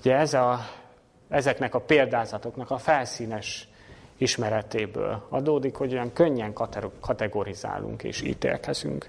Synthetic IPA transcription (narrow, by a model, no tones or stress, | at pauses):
ɟɛɛzɒ | ɛzɛknɛkɒpeːld̪aːzɒt̪o̞knɒkɒfɛlsiːnɛʃ | iʃmɛɾɛt̪eːbø̰ːlɒ̰d̪oːd̪ikho̞ɟo̞jɒŋkøɲːɛŋkɒkʰɒt̪ɛɡo̞ɾiza̰ːlːṵŋkḛːʃḭːt̪ḛːlkɛzy̰ŋk